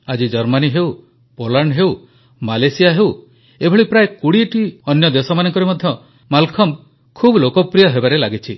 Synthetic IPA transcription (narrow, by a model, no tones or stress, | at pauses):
ad͡ʒid͡ʒɔɾmaniɦew | polaɳɖɦeuw | malesijaɦew | ebʱɔɭipɾaekuɽiʈiɔnjɔd̪esɔmanɔŋkɔɾemɔd̪ʱjɔ | malkʰɔm | kʰubʱlokɔpɾijɔɦebaɾelaɡit͡ʃʰi